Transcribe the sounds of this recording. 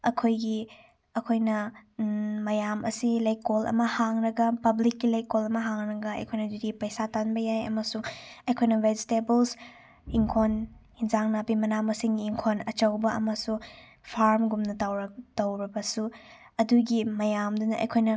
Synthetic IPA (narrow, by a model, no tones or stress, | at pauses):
ɐ̰kʰojɡi | ɐkʰojnɐ | mɐjamʔɐ̰silɐjkolɐ̰mɐhaŋnɐɡɐpɐblikːilɐjkolɐmɐɦaŋnɐɡɐɐ̰jkʰojnɐd͡ʒiɾipɐjsatanbɐjajɐ̰mɐsuŋɐjkʰojnɐwed͡ʒitebels | iŋkʰonhinzaŋnabimɐnamɐsiŋːŋkʰonɐt͡ʃɐwbɐɐ̰mɐsu | pʰaɾmɡumnɐtawɾɐtɐwɾibɐsu | ɐduɡimɐjamdunɐʔɐ̰jkʰojnɐ